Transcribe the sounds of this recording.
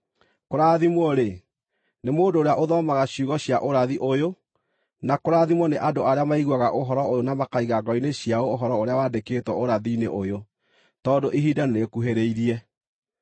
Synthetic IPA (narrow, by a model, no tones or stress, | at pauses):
koɾaːðimwɔɾe | nemoːndoːɾeaʔoðɔmaɣaɕjuɣɔɕjaʔoɾaðiʔojo | nakoɾaðimɔneʔadoaɾeamaiɣwaɣaʔoɦɔɾɔojonamakaiɣaɡɔineɕjaoːɦɔɾɔoɾeawaːdeketwɔoɾaðinḛʔojo | tɔːdoʔiɦiːdaneɾekuɦeɾeiɾiɛ